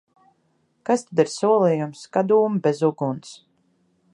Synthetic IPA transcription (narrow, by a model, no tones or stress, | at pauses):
kast̪ad̪iɾsuɔlˠijumskad̪uːmbʲezuɡuns